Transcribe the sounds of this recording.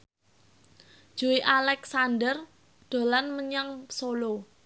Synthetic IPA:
d̥ʒ̥ṳiʔalɛksanɖər | d̪̥o̤lanməɲaŋsolo

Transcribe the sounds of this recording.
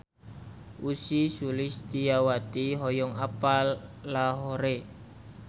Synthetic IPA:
usisulɪst̪ijawat̪iɦɔjɔŋapalːaɦoɾe

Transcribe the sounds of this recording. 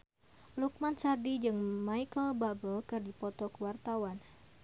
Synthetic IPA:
luk̚mansardid͡ʒɨŋmajkəlbabəlkɨrdipɔt̪ɔkəwart̪awan

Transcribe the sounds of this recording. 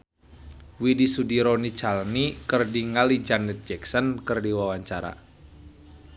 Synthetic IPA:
widisudiɾɔnit͡ʃalnikɨrdiŋalid͡ʒanɛt̪̚d͡ʒɛksənkɨrdiwawaɲt͡ʃaɾa̰

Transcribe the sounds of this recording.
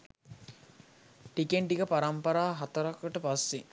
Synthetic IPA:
ʈikeɳʈiɡəpaɾampɐɾaːɦat̪ɐɾakəʈəpasːi

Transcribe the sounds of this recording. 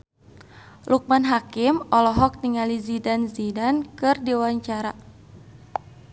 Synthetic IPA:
lʔuk̚manɦakɪmɔlɔɦɔk̚niŋalizidanzidankɨrdiwaɲt͡ʃaɾa

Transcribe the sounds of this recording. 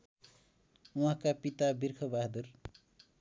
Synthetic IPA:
uɦãkapit̪abirkʰʌbaɦd̪ur

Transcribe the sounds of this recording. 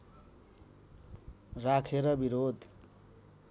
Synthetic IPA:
rakʰeɾʌbiɾod̪ʱ

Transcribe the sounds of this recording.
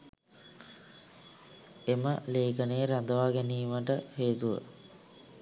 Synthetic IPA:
eməleːkənejːɾad̪əʋaːɡæniːməʈəheːt̪uʋə̰

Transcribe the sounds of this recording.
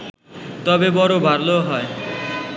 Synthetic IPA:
t̪ɔbebɔɾobʱaɾloɦɔe

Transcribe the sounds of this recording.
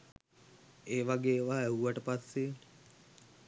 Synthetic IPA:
eːʋaɡeːʋaːeuʋəʈəpasːen

